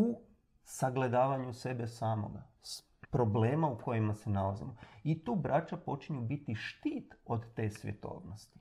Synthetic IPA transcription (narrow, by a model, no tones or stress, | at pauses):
u | saɡle̞d̪aːʋaɲuse̞be̞saːmo̞̰ɡa̰ | s | pɾo̞ble̞ːmaukʰo̞jimasenalazḭmoit̪uːbɾat͡ʃapo̞t͡ʃiɲubit̪iʃt̪iːt̪o̞d̪t̪e̞ːsʋʲjḛt̪o̞̰ːʋnost̪i̥